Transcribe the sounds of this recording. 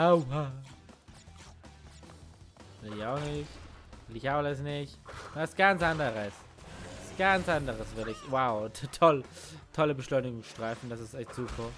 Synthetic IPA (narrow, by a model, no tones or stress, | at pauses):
aʊa | vɪɪçaʊxnɪçvɪlɪçaʊləs̬nɪçtvasɡ̥ant͡sʔandəʁəs | asɡ̥ant͡sʔandəʁəsvɪɐdɪçwaʊtʰɔltʰɔləbəʃlɔʏnɪɡʊŋsʃtʁ̥aɪfn̩d̥asɪstɛçtz̥uːpʰɐ